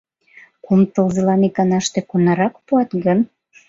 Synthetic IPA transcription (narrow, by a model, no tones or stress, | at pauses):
kumt̪ɤlzɤ̆lɑnikɑnɑʃt̪ĕkunɑɾɑkpuɑt̪ɡən